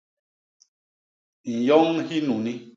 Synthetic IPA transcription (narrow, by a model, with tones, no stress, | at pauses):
n̩˨jɔ˦ŋhi˦nu˨ni˦